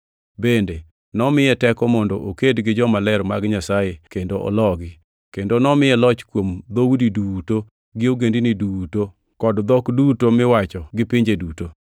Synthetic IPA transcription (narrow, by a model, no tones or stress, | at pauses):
bende | nɔmɪjɛtɛkɔmɔndɔʔokedɡɪd͡ʒɔmalɛɾmaɡɲasajekendoʔɔ̰lɔɡɪ | kendonɔmɪjɛlɔt͡ʃkwomd̪owudiduto | ɡɪoɡendiniduto | kɔdd̪ɔkdutomɪwat͡ʃɔɡɪpɪɲd͡ʒeduto